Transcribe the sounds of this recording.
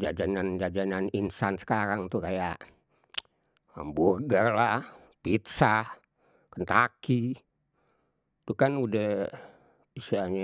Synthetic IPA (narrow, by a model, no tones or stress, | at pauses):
d͡ʒad͡ʒanand͡ʒad͡ʒananinsansə̥kaɾaŋt̪ukajaʔ | mburɡərla | pit̪sa | kənt̪aki | t̪ukanudəh | isiaɲa